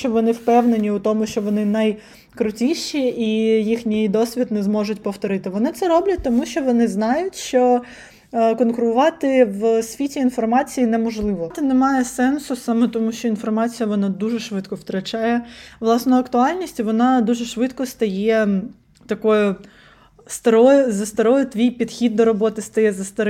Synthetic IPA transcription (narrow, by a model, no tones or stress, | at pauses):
t͡ʃɔʋɔnɪwpɛwnenʲiʊt̪ɔmʊʃt͡ʃɔʋɔnɪnɐj | kɾʊtʲiʃiijixnʲijd̪ɔsʲʋʲit̪nɛzmɔʒʊtʲpɔwt̪ɔɾɪt̪ɪʋɔnɪt̪sɛɾɔblʲɐt̚ʲt̪ɔmuʃʲt͡ʃɔʋɔnɪznɑjʊtʲʃt͡ʃɔ | kɔnkʊɾʊʋɑt̪ɪʋsʲʋʲitʲiːnfɔrmɑt͡sʲijinɛmɔʒlˠɪʋɔt̪ɛnɛmɑjɛsɛnsʊsɑmɛt̪ɔmuʃt͡ʃɔinfɔrmɑt͡sʲijɐʋɔnɑd̪uʒɛʃʋɪd̪kɔwt̪ɾɐt͡ʃɑjɛʋlˠɑsnɔɐkt̪ʊɑlʲnʲisʲtʲiʋɔnɑd̪uʒɛʃʋɪd̪kɔst̪ɐjɛ | t̪ɐkɔjʊ | st̪ɐɾɔjʊzɐst̪ɐɾɔjʊt̪ʋʲijpʲid̪xʲid̪ːɔɾɔbɔt̪ɪst̪ɐjɛzɐst̪ɐɾɪ